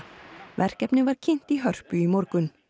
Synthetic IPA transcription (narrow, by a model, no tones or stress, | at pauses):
vɛr̥kɛpnɪvaɾ̥cʰɪn̥t̪iɦœr̥pʏimɔɾkʏn